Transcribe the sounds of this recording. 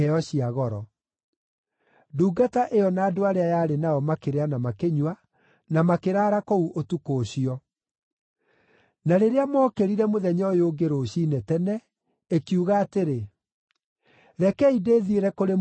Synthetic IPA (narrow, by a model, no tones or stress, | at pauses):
ɛɔɕiaɣɔɾɔ | duːɡataʔeɔnaːdoaɾeajaːɾenaɔmakeɾeanamakeɲwa | namakeɾaːɾakouʔotukoːɕiɔ | naɾeɾeamɔːkeɾiɾɛmoðɛɲɔjoːɡeɾoːɕiːnɛtɛnɛ | ekjuɣaːteɾe | ɾɛkɛideːðieɾɛkoɾe